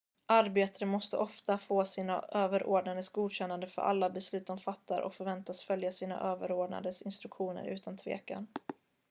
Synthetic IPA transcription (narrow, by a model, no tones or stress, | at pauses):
ʔaɾbeːt̪aɾəmɔst̪əʔɔft̪afoːsiːna̰ʔøːvəɾʔo̰ːɖnad̪əsɡuːd̪ɕɛnːand̪əfœ̰ɾʔa̰lːabɛslʉ̟ːt̪ɔmfat̪ːaɾʔɔ̰kfœɾvɛnt̪asfœljasiːna̰ʔøːvəɾoːɖna̰d̪əsɪnst̪ɾɵkɧuːnə̰ɾʔʉ̟ːt̪ant̪ʰvḛːka̰n